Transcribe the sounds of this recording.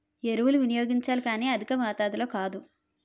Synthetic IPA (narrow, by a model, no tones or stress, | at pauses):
eɾuwuluʋinijo̞ːɡiɲt͡ʃaːlikaːniːɐd̪ʱikɐmaːt̪aːd̪ilo̞ːkaːd̪u